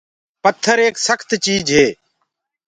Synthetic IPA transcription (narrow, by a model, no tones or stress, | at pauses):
pət̪ʰːəɾeːksəkʰt̪t͡ʃiːd͡ʒɦeː